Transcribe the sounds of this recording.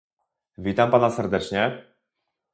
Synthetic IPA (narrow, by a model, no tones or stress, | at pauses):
vʲit̪ampanasɛɾd̪ɛt͡ʂɲɛ